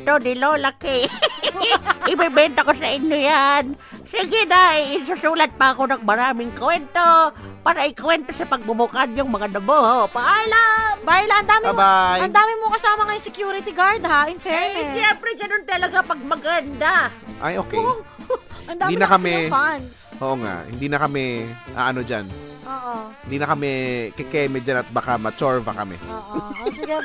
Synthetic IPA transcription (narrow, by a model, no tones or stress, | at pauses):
t̪od̪ɪlolɐkɛ | ʔɪbɛbɛnt̪ɐko̞sɐʔɪɲjojan | sɛɡɪnaɪsusuːlɐt̪̚pɐɐko̞nɐŋmɐɾaːmɪŋkwɛnt̪opaːɾɐʔɪkwɛnt̪o̞sɐpɐɡ̚bʊbʊkanjʊŋmɐŋad̪ɐbohopɐʔaːlambaːjlaʔɐnd̪aːmɪɐbajɐnd̪aːmɪmokɐsaːmɐŋɐjʊsɛkjuːɾɪt̪ɪɡaɹd̪haɪnfɛmɛʃɛmpɾɛɡɐnont̪ɐlɐɡapɐɡ̚mɐɡɐnd̪aʔa̰jʔoːkɛj | hɪɐnd̪ad̪inɐkɐɛan | ʔoːʔoŋa̰ʔhɪ̰nd̪inɐkɐmɛʔa̰ːʔɐnod͡ʒa̰nʔoːʔohɪnd̪iːnɐkɐmɛkɛkɛmɛd͡ʒanɐt̪̚bakamɐt͡ʃoɹvɐ̰kɐ̰mɛ̰oːsɪɡɛ